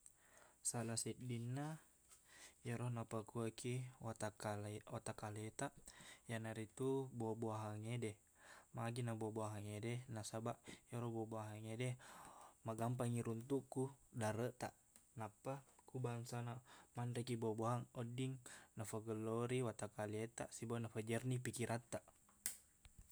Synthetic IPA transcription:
salasidinːa | jaɾɔhnapakuakʰit̪aalwat̪akalet̪aʔjanaɾit̪uboabuaɦaŋedɛ | maɡinabuabuaɦaŋedɛnasabaʔjaɾɔhboboaɦaŋedɛ | maɡampaŋiɾunt̪ukudaɾət̪aʔ | napakubaŋsanamanrekiboabuaɦaŋɔdiŋnafaɡəlːɔɾiwat̪akalet̪a̰ʔsibanafəd͡ʒərnipikiɾʔat̪ːaʔ

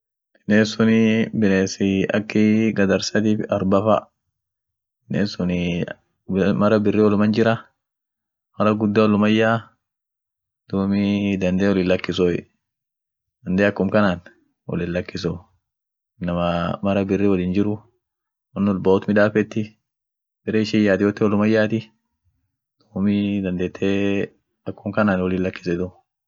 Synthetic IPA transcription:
ɪneːsʊnɪbɪneːsɪʔɐ̰kːɪɡɐd̪ɐɾsɐt̪iːfɐɾbɐfɐ̰ | ɪneːsʊnɪ | mɐɾɐbɪrːiwɔlʊmɐnd͡ʒɪɾɐ | mɐɾɐɡʊd̪ːawɔlːʊmɐjːaː | d̪̥ʊmɪd̪ɐnd̪eːwɔlɪlːɐkːɪsɔ | d̪̥ɐnd̪eːɐkːʊmkɐnaːn | wɔ̰lɪnlɐkːɪsɔ | nɐmɐmɐɾɐbɪrːiwɐliːnd͡ʒɪɾʊ | wɔnːɔlbaʊt̪mɪᶑaːfɛt̪ːɪ | bɪɾeːɪʃɪjːaːt̪ɪwɔt̪ːɛwɔlʊmɐjːaːt̪ɪ | d̪̥uːmɪd̪ɐnd̪eːt̪ʰːeː | ɐkːʊmkɐnaːnwɔlɪnlːɐkːɪ̥sɛd̪ɔ

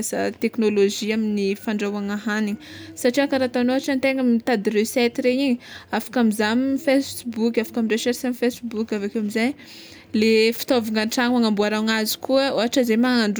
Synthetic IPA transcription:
sa̰t̪eknoloʒiaminifaɳɖ͡ʐawaŋaɦaniɲəsaʈ͡ʂiakaɾat̪anoɦaʈ͡ʂant̪eŋamit̪ad̪røsɛt̪iɾeiɲəafḁkamizamifessbukʲafḁkamireʃersamifesbukʲavakewamizaj | lefi̥t̪oviŋanʈ͡ʂaŋwaŋambuaɾawŋazi̥kuəoɦaʈ͡ʂəzemaŋaɳɖ͡ʐ

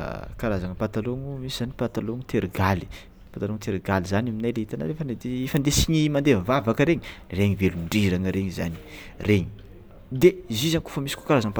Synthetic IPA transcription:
kaɾazaŋəpat̪aloŋumisiz̥anipat̪aloŋut̪ʰeɾɡali̥ | pant̪aloŋt̪eɾɡalizanaminajleɦit̪ana̰ɾefəned̪eefand̪esiɲimand̪envavakəɾeɲireɲiveluɳɖ͡ʐiɾaŋəɾeɲiza̰ni̥ | reɲi̥ | d̪eizizanku̥fəmisi̥ko̥kaɾazaŋpa

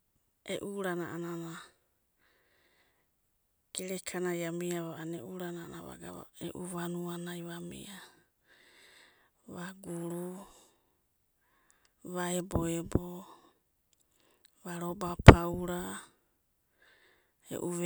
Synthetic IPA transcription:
ḛʔuɾanaʔanana | ɡ̥eɾekʰanajamiaβaaneʔuɾanaana̰βa̰ɡa̰βa̰ḛʔuβanuanajβamḭa | βaɡuɾu | βaeboebo | βaɾobapʰawɾa | ḛʔuβ

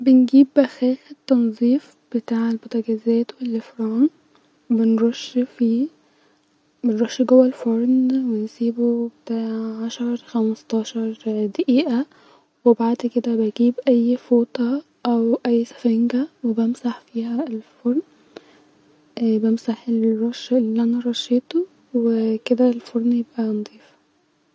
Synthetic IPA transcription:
benɡiːbʔæxæːxet̪ːɑnzˤiːf | b̥et̪aːʕelbot̪ˤɑɡæzæːt̪welːefɾɑːn | benɾoʃfiː | benɾˤɑʃːiɡowːælfoɾˤnwensiːbubet̪aʕʕaʃɑɾˤxæmɑst̪ˤɑːʃɑɾˤd̪aʔiːʔæ | webaʕd̪ked̪æbejɡiːbʔæjːfoːt̪ˤɑ | ʔæwʔæjːsæ̥fæŋɡæwebæmsaħfiːhæelfoɾˤn | bemsaħelɾˤɑʃːelːiːʔænæɾˤɑʃːet̪o | weked̪ælfoɾˤnjebʔænd̪ˤiːf

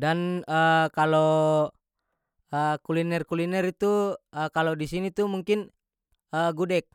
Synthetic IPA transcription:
danəkalo | əkulinɛrkulinɛrit̪uəkalɔdisinit̪umuŋkin | əɡudɛk̚

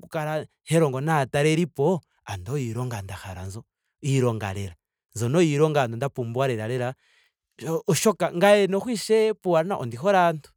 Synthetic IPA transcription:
kukaɾa | hɛɾɔŋɡɔnataɾɛɾipɔ | andɔjiɾɔŋɡandaxaɾa̰nzɔ | iɾɔŋɡa̰lɛɾa | nzɔnɔjiɾɔŋɡandɔndapumbwaɾɛɾalɛɾa | ʃɔkaŋɡajɛnɔxwiʃɛpuaɾnaʔo̰ndixɔɾantu̥

